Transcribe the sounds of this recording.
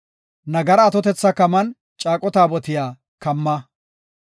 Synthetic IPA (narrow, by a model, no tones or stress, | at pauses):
nɐɡɐɾɐːt̪ɔt̪ɛt͡sːɐkɐmɐn | t͡ʃʼaːkʼɔt̪aːbɔt̪ɪjaː | kɐmːɐ